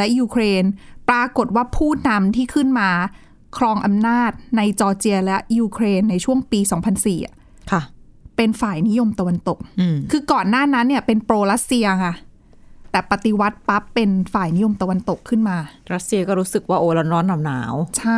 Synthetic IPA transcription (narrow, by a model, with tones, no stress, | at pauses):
lɛ˦˥juː˧kʰɾeː˧npɾaː˧ko˨˩t̪̚waː˥˩pʰuː˥˩na˧mt̪ʰiː˥˩kʰɯ˥˩nmaː˧ | kʰɾɔː˧ŋʔa˧mnaː˥˩t̪̚na˧jt͡ɕɔː˧t͡ɕi˧ɐlɛ˦˥ʔjuː˧kʰɾeː˧nːa˧jt͡ɕʰu˥˩əŋpiː˧sɔː˩˦ŋpʰa˧nsiː˨˩a˩ | kʰa˥˩ | pe˧nfaː˨˩jni˦˥jo˧mt̪a˧wa˧nt̪o˨˩k̚ːkʰːɯː˧kɔː˨˩nːaː˥˩na˦˥nːi˥ɐpe˧npɾoː˧ɾa˦˥t̪̚si˧ɐkʰa˥˩ | t̪ɛː˨˩pa˨˩t̪i˨˧˦wa˦˥t̪̚pa˦˥pːe˧nfaː˨˩jni˦˥jo˧mt̪a˧wa˧nt̪o˨˩kʰːɯ˥˩nmaː˧ɾa˦˥t̪̚si˧ɐkɔː˥˩ɾuː˦˥sɯ˨˩k̚waː˥˩ʔoː˧˩lɔː˨˦˥nɾɔː˦˥nːa˧mna̰ː˩˦wt͡ɕʰa˥˩